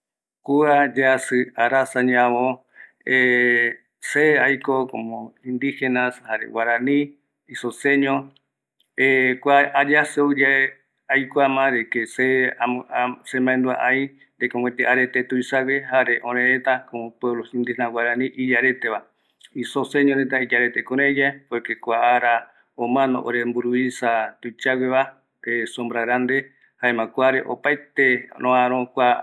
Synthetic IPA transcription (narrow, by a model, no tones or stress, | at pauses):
kuad͡ʒasɨaɾasaɲãβo | e | seajkokomõind̪ihenashaɾḛwaɾãnĩ | isoseɲõ | ekʷaad͡ʒasɨod͡ʒe | ajkoamãɾekese | sẽmbãẽnd̪ua̰ʔãi | nd̪ekõŋʷwẽt̪eʔaɾet̪et̪uisawehaɾeʔõɾẽɾẽt̪akopweβlosĩnd̪inãwaɾanĩʔid͡ʒaɾet̪eβa | isosẽɲõɾet̪̬aid͡ʒaɾet̪ekõɾẽd͡ʒaepekekʷaaɾa | õmãnõ̰ʔo̰ɾembuɾuisat̪ujt͡ʃawʷeβa | esõmbɾaɾand̪e̞ | haẽmãkʷaɾeʔo̰paet̪eɾõãɾ̃õkʷa